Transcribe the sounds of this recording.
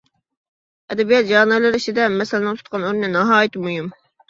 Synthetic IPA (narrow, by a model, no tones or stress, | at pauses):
ɛd̪ɛbijɑt̪̚d͡ʒɑːnɨlˠɨɾiʃid̪ɛmɛsɪlɪnɨŋt̪ʰu̥t̪̚qʰɑnoɾnɨnɑɦɑːjit̪ʰɪmujum